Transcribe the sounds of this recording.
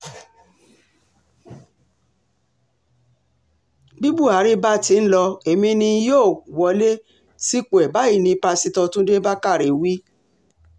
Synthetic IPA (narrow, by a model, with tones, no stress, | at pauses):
bi˦bu˦˨a˨˦ɾe˦ba˦ti˨˦n̩˦lɔ˧e˨mĩ˧nĩ˧joː˦˨wɔ˧˦le˦ | si˦k͡po˨ɛ˨ba˨˦i˦˨nĩ˧pa˧si˧tɔ̃˧tũ˦de˦ba˦ka˦˨ɾe˨wi˦